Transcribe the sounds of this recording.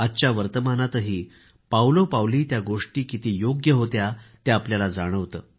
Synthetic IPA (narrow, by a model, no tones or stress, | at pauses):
at͡ɕjaʋəɾt̪əmanat̪əɦiː | pawlopawliːt̪jaɡoʂʈiːkit̪iːjoɡjəɦot̪jat̪jaːpljalad͡zaɽ̃əʋt̪əː